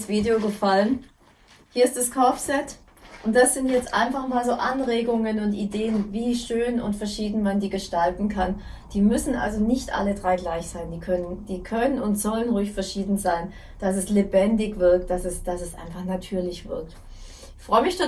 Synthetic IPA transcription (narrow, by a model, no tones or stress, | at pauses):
sv̥iːdeoɡəfalən | hiːɐɪstd̥askʰaʊfsɛt | ʔʊntd̥asz̥ɪntjɛt͡stʔa̰ɪnfaχmaːlzoːʔanʁeːɡʊŋənʊntʔideːənviːʃøːnʊ̰ntfɛɐʃiːdn̩mandiːɡəʃtaltn̩kʰan | d̥iːmʏsn̩ʔa̰lzonɪçtʔa̰lədʁaɪɡlaɪçz̥aɪndiːkʰœnənd̥iːkʰœnənʊntz̥ɔlənʁuːçfɛɐʃiːdn̩zaɪn | d̥as̬ɛslebɛndɪçv̥ɪɐk̚t̚d̥asɛsd̥asɛsʔa̰ɪnfaχnatʰyːɐlɪçv̥ɪ̰ɐk̚t | ɪçfʁ̥ɔʏəmɪçʃo